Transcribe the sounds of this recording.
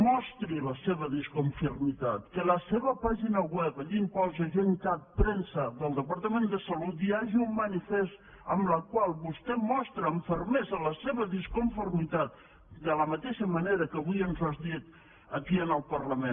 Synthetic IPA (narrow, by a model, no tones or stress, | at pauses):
mɔst̪ɾiləseβəðiskuɱfurmit̪at̪kələseβəpaʒinəwɛpəʎimpɔzəʒeŋkat̪̚pɾensəðəlˠd̪əpəɾt̪əmend̪əsəlut̪iaʒiumːənifest̪ | əmləkwalˠβust̪ɛmɔst̪ɾəːɱfəɾmezələseβəðiskuɱfuɾmit̪at̪̚ | d̪ələmət̪eʃəməneɾəkəβujənzazðit̪ | əkiənəlˠpərləmen